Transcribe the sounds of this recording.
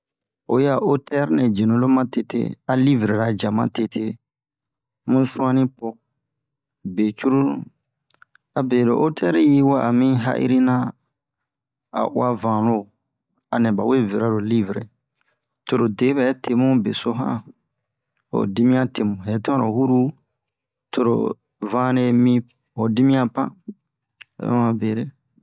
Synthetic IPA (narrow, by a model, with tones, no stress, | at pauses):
o˨ja˨ʔo˦tɛ˦ɾnɛ̃˨d͡ʒe˨nõ˨˦lo˦mã˦te˨tḛ˦a˨li˦vɾe˨ɾa˨d͡ʒa˨mã̰˦te˦tʰe˦ | mũ˦su˦mã˦nĩ˦pɔ˦ | be˨t͡ʃu˦ɾu˦ṵ̃˦ | a˨be˨lo˨ʔo˦tʰɛ˦ɾji˦wa˦a˨mĩ˦ɦa̰˦ʔḭ˦ɾi˦nã˦ | a̰˨ʔṵ˦a˦vã˨lo˦˨ | a˨nɛ̃˨ba˨we˦˨ve˨ɾa˦ɾo˨li˦vɾḛ˨ | to˨ɾo˨de˨˦bɛ˨˦tʰe˨mũ˦be˨so˦ɦã̰˦ | o̰˨di˦mĩ˦ã˦te˨mũ˨ɦɛ˨˦tɔ̃˦o˨hu˦ɾu˦ | tʰo˨ɾo̰˨ | vã˦ɾe˧mĩ˦ | o˨di˦mĩ˦ã˦pã̰˦ | a̰˨ɛ̰˦ã˨be˨ɾe˦